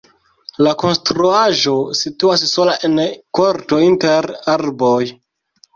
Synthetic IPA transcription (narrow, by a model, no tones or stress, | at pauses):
lako̞nstɾuaʒo̞situasːo̞laʔenkoɾto̞inteɾaɾlboj